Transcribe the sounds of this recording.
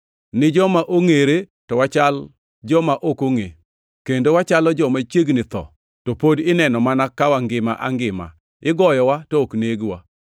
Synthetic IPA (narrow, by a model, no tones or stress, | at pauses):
nɪd͡ʒɔmaʔoŋeɾe | tɔwat͡ʃal | d͡ʒɔmaʔokoŋe | kendowat͡ʃalɔd͡ʒɔmat͡ʃeɡnɪt̪ɔ̰ | topodɪnɛnɔmanakawaŋɡɪma̰ʔaŋɡɪma̰ | ɪɡɔjɔwatɔokneɡwa